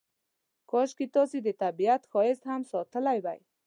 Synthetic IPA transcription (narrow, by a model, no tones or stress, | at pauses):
kɔʃkit̪ɔsid̪ət̪abijat̪xɔjɪst̪hamsɔt̪əlajba̰j